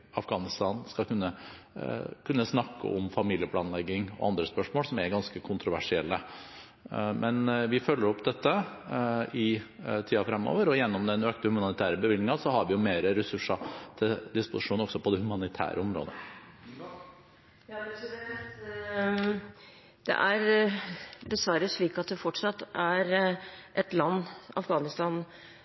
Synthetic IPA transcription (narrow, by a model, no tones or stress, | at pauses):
ɑfɡɑːnɪst̪ɑːnskɑlkʉnːə | kʰʉnːəsnɑkːə̰ʔɔmfɑmiːlɪəpʰlɑːnlɛɡːɪŋɔ̰ʔɑnd̪ɾəspœʂmoːsɔmɛɾɡɑnskəkʰʊnt̪ɾʊʋæ̰ʂɪɛlːə | mɛnʋɪfœlːəɾɔpd̪ɛt̪ːə | ɪ | t̪ʰiːɑfɾɛmːo̰ːʋəɾɔjɛnːɔmd̪ɛnøːkt̪əhʉmɑnnɪt̪ʰæːɾəbəʋɪlɡ̪nɪŋɑsɔhɑɾʋɪjʊmeːɾəɾɛsʉʂːɑt̪ʰɪld̪ɪspʊsɪʂuːnɔɡsɔpʰɔd̪ɛhʉmɑnɪt̪ʰæ̰ːɾʔə̰ɔmɾo̰ːd̪ə | jɑːt̪ | d̪̥ɛ̰ʔæɾ | bəsʋɑːɾəʂɭiːkɑt̪̚d̪ɛfɔʈʂɑt̪ːæɾʔɛt̪lɑnːɑ̰fɡɑːnɪst̪ɑːn